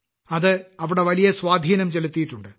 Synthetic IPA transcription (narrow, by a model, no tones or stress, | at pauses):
ɐðɨɐʋiɽe̞ʋɐlijɐswaːd̪ʱiːnɐmt͡ɕe̞lut̪ːijiʈːuɳɖɨ